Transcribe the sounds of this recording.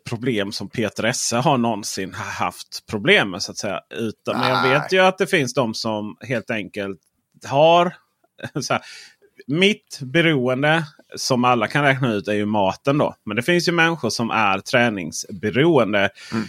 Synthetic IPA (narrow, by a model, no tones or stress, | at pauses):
pʰɾʊbleːmsɔmpʰeːt̪əɾɛsːəɦaɳɔnsɪnhha̰ft̪pʰɾʊbleːməsʊat̪sɛjːa̰ʉ̟ːt̪əmɛnjɑːɡveːt̪jɵat̪̚d̪ɛfɪnsd̪ɔmsɔmɦeːlt̪ɛŋkəlt̪ | haɾ | sɛ | mɪt̪bɛɾuːənd̪ə | sɔmalːakʰanɾɛːknaʉ̟ːt̪æɾjɵmɑːt̪ənd̪ɔ̰mɛnd̪ɛfɪnsjɵmɛnɧʊʂɔmʔæ̰ɾt̪ʰɾɛːnɪ̰ŋsbɛɾuːənd̪ə